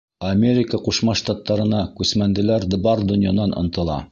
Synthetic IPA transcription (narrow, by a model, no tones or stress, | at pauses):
ɐmʲeɾʲɪkəquʃmɑʃt̪ɑt̪ːɑɾɤ̆nɑkʉsmænd̪ɘ̆læɾd̪ɤ̆bɑɾd̪ɵ̆nʲjanɑnŏ̰nt̪ɤ̆lˠɑ̰